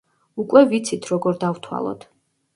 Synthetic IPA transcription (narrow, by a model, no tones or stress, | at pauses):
ukʼwɛvit̪sʰit̪ʰɾɔɡɔɾd̪avt̪ʰwa̰lˠɔ̰t̪ʰ